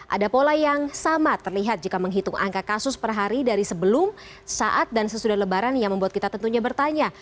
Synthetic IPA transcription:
ʔa̰dapolajaŋsamat̪ərliɦat̪̚d͡ʒikaməŋɦit̪ʊŋa̰ŋkakasʊspərɦaɾidaɾisəbəlʊm | saʔat̪̚dansəsudahləbaɾanjaŋməmbuat̪̚kit̪at̪ənt̪uɲabərt̪aɲa

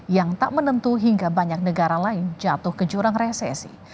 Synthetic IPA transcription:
jaŋt̪a̰ʔmənənt̪uɦiŋɡabaɲak̚nəɡaɾalaɪnd͡ʒat̪ʊhkəd͡ʒuɾaŋresɛ̰sḭ

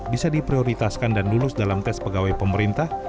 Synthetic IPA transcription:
bisadipɾioɾit̪askandanlulʊsdalamt̪ɛspəɡawajpəməɾint̪ah

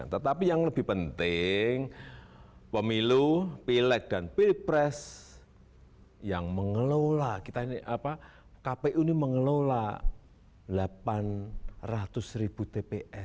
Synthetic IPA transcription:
a̰nt̪ət̪apijaŋləb̥ɪhpənt̪ɪŋ | pəmilupilɛk̚d̥anpilipɾɛs | jaŋməŋəlolakit̪ainiʔapa | kapeʔuniməŋəlola | lapanrat̪ʊsrib̥ṳt̪epeʔɛs

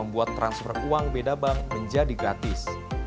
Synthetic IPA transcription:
əmbuat̪ːɾansfɔruaŋbedabaŋməɲd͡ʒadiɡɾat̪ɪs

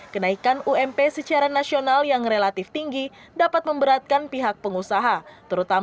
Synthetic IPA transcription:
kənaikanuɛmpɛsət͡ʃaɾanasionaljaŋrelat̪ɪft̪iŋɡi | dapat̪̚məmbəɾat̪̚kanpiɦak̚pəŋusaɦat̪əɾut̪a

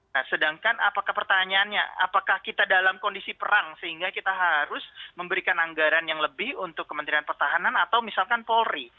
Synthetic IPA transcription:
asədaŋkana̰pakahpərt̪aɲaanɲa̰a̰pakahkit̪adalamkondisipəɾaŋsəhiŋɡakit̪aɦaɾʊsməmbəɾikanaŋɡaɾanjaŋləbɪhunt̪ʊkːəmənt̪ɾianpərt̪aɦananat̪awmisalkanpolri

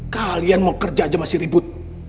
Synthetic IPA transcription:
kalianmokərd͡ʒad͡ʒamasɪhribʊt̪̚

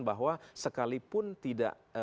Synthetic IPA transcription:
nbaɦwasəkalipʊnt̪ida̰ʔ

